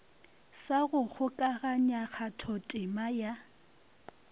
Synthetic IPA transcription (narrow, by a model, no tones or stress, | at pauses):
saɣʊɣʊkʼaɣaɲaɣʰatʰɔtʼɪmaja